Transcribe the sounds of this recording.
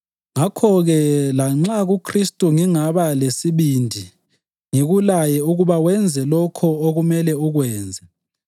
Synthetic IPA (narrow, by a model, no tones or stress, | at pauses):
ŋakʰɔɣɛlaŋ͡ǁaɣukʰristʼuŋiŋaβalesiβindʱi | ŋiɣulajɛuɣuβawɛnd͡zʱɛlɔkʰɔoɣumɛlɛuɣwɛːnd͡zʱɛ